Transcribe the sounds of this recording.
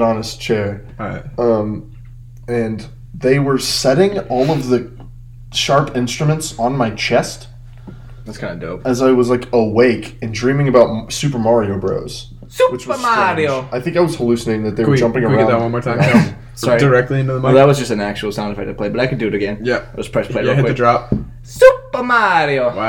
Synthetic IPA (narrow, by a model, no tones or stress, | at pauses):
ɑnɨst͡ʃʰɛɹɹaɪt̚ʌ̃m | ɨ̃n | ðeɪwə˞sɛɾɪ̃ŋɔlˠʌvðɨ | ʃɑɹpʰɪ̃nstɹ̥ɨmɨ̃ntsn̩maɪt͡ʃʰɛst | ðætskʰãɪ̃ndɨdo̰ʊɨzaɪwʌzlaɪkəweɪkɨ̃ndɹĩmɪ̃ŋɨbaʊt̚sʉpə˞mɑɹioʊbɹo̰ʊz̥ | suwɨt͡ʃwʌə̥˞maɾioʊaɪθɪ̃ŋkaɪwʌz̥həlʉsɨneɪɾɪ̃ŋðɨt̪̚ðəd͡ʒʌ̃mpɪ̃ŋə˞ãawʌ̃nmɔɹtʰãɪ̃ | sɑɹidə˞ɛk̚tˡliɪ̃ntɨðəmðət̚wʌzd͡ʒʌstɨ̃n̩æk̚t͡ʃuwl̩ˠsãʊ̃ndɨfaɪdɨd̚pʰl̥eɪbʌɾaɪkɨdɨɨɾɨɡɛ̃njæaɪwʌspʰɹ̥ɛspl̥eɪɨdɨdɹɑp̚ | supə˞maɾiowa